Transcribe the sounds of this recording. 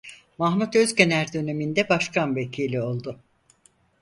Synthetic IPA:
maɦmut̪ø̞zce̞næɾd̪ø̞ne̞mind̪ɛbaʃkʰanve̞cʰiːlʲio̞lˠd̪ʊ

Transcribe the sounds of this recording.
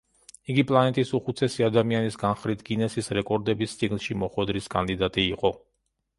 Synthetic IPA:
iɡipʼlˠanɛt̪ʼisuχut̪sʰɛsiad̪amianisɡanχɾit̪ʰɡinɛsisɾɛkʼɔɾd̪ɛbist̪sʼiɡnˠʃimɔχwɛd̪ɾiskʼand̪id̪at̪ʼiːqʼɔ

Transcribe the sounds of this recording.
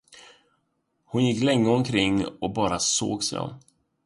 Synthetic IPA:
hʊnjɪkːlɛŋːəɔmkʰɾɪŋːɔk̚bɑːɾaso̰ːɡsɛ̰ɔ̰m

